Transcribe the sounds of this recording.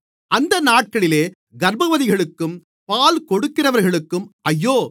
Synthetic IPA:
ʔɐnd̪ɐnaːʈ̚kɐɭɪleː | ɡɐɾbɐʋɐðɪɣɐɭɯkːɯm | paːlkɔɽɯkːɪnɐʋɐɾɣɐɭɯkːɯmʔɐjːoː

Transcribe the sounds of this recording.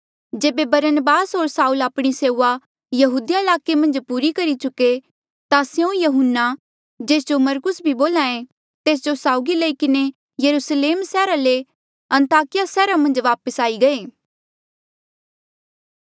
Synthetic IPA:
d͡ʒeːbebɐɾənəbaːsɦoːɾsaːulaːpɽ̃iseːuʋa | jɐɦuːd̪ijaɪlaːkemɐ̃nd͡ʒpuːɾikɐɾit͡ʃʊke | t̪asjõjɐɦʊnːa | d͡ʒeːs̬d͡ʒomɐɾkʊsbʱiboːlãːẽ | t̪eːs̬d͡ʒosaːʊɡilɐikɪne | jɐɾusleːmsɛːɾale | ɐ̃nt̪aːkɪjasɛːɾamɐ̃nd͡ʒʋaːpəsaːiɡɐeː

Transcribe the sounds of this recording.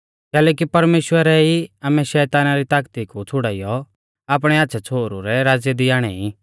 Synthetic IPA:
kɛːlɛːk̬ipɐɾmeːʃwəɾɛiaːmɛ̃ʃɛːt̪aːnaɾit̪aːkt̪ikut͡sʰʊɽaːɪjɔ | aːp̬ɽ̃ɛaːtːʃʰɛt͡sʰoːɾuɾɛɾaːd͡zjɛd̪iaːɽ̃ɛ̰i

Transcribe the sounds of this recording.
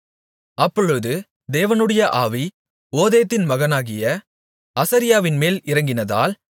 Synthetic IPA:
ɐpːɔɻɯðɯ | d̪eːʋɐnɯɽɐjɐʔaːʋi | oːðejɐt̪ːɪnmɐɣɐnaːɣɪjɐ | ɐsɐɾɪjaːʋɪnmeːlɪɾɐŋɡɪnɐða̰ːl

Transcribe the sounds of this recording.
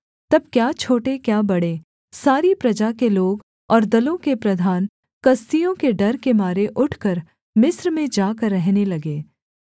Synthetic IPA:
t̪ɐb̚kjaːt͡ʃʰoːʈekjaːbɐɽe | saːɾipɾɐd͡ʒakeloːɡ | ɔːɾd̪ɐlõkepɾɐd̪ʱaːn | kɐst̪ijõkeɖɐɾkemaːɾeʔʊʈʰkəɾ | mɪsɾmẽd͡ʒaːkəɾːɛɦnelɐɡeː

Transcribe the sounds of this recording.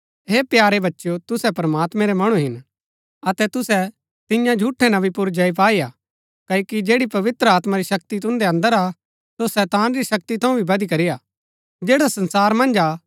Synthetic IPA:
ɦeːpjaːɾebɐtːʃjot̪ʊsɛpɾɐmaːt̪mɛ̃ɾemɐɽ̃uɦɪn | ɐt̪ɛt̪ʊsɛ | t̪ɪ̃jãd͡ʒʱuːʈʰːɛnɐ̃bipʊɾd͡ʒɐip̬aːija | kɐokid͡ʒeːɽipɐʋɪt̪ɾəaːt̪maɾiʃɐk̚t̪it̪ʊ̃nd̪eɐ̃nd̪əɾa | sosɛːt̪aːnɾiʃɐk̚t̪it̪ʰɐ̃ũbʱibɐd̪ikɐɾija | d͡ʒeːɽasɐ̃nsaːɾmɐ̃nd͡ʒaː

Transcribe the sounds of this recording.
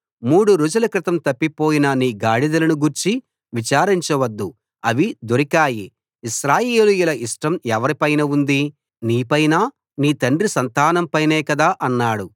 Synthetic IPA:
muːɽuɾud͡ʒulɐkɾɪt̪ɐmt̪ɐpːipoːjinɐniːɡaːɽid̪ɐlɐnuɡuɾt͡ʃi | ʋit͡ʃaːɾiɲt͡ʃɐʋɐd̪ːu | ɐʋid̪oɾikaːjiː | ʃɾaːjeːlujulɐʔiʂʈɐmɛʋɐɾipɐjnɐund̪i | niːpɐjnaː | niːt̪ɐɳɖrisɐnt̪aːnɐmpɐjnɛːkɐd̪aːʔɐnːaːɽu

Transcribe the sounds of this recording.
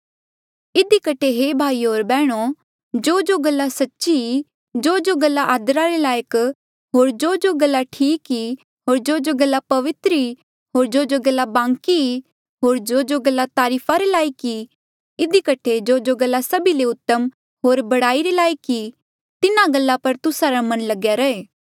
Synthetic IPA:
ɪd̪ikəʈʰeɦeːbʱaːiɦoːɾbɛːɽ̃o | d͡ʒoːd͡ʒoɡəlːasɐtːʃii | d͡ʒoːd͡ʒoɡəlːaʔaːd̪əɾaɾelaːjək | ɦoːɾd͡ʒoːd͡ʒoɡəlːaʈʰiːki | ɦoːɾd͡ʒoːd͡ʒoɡɐlːapɐʋɪt̪ɾi | ɦoːɾd͡ʒoːd͡ʒoɡɐlːabãːŋkii | ɦoːɾd͡ʒoːd͡ʒoɡəlːat̪aːɾiːpʰaɾelaːiki | ɪd̪ikəʈʰed͡ʒoːd͡ʒoɡɐlːasɐbileʊt̪ːəm | ɦoːɾbɐɽaːiɾelaːjəki | t̪ɪnãɡɐlːapɐɾt̪ʊsaɾamɐ̃nlɐɡjaɾɐeː

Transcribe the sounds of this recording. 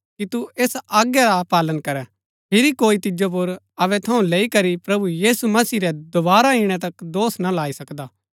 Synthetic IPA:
kit̪ueːsaːɡjaɾapaːlənkɐɾɛ | pʰɪɾikoːit̪ɪd͡ʒop̬ʊɾ | ɐʋɛt̪ʰɐũleːikɐɾipɾɐbujiːsumɐsiːɾɛd̪ʊbaːɾaiɽ̃ɛ̃t̪̬ɐkd̪oːsnalaːisɐkd̪aː

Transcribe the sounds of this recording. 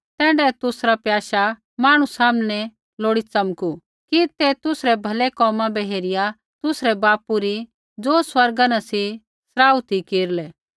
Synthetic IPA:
t̪ɛːɖɛt̪ʊsɾapjaːʃa | maːɽ̃usaːmnɛ | loːɽit͡sɐmku | kit̪ɛt̪ʊsɾɛbʱɐlɛkɔːmãbɛɦeːɾɪja | t̪ʊsɾɛbaːpuɾi | d͡zoːswɐɾɡanasi | sɾaːut̪ʰikeːɾlɛː

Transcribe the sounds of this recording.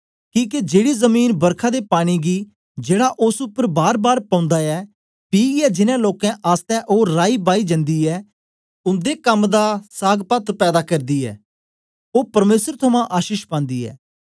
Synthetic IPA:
kĩːk̬ed͡ʒeːɽiːzəmiːnbəɾkʰãːd̪eːpaːɽ̃iːɡiː | d͡ʒeːɽaʔʊsʊpːəɾbaːɾbaːɾpãːʊ̃nd̪aːɛː | piːɡɛːd͡ʒɪnɛ̃ːloːkɛ̃ʔaːst̪ɛ̃ːʔoːɾaːiːbaːiːd͡ʒə̃nd̪iːɛː | ʊnd̪eːkəmd̪aːsaːɡpət̪pɛːd̪aːkɐɾd̪iːɛ̰ː | oːpəɾmeːsəɾt̪ʰʊmãːʔaːʃiːʃpãːnd̪iːɛ̰ː

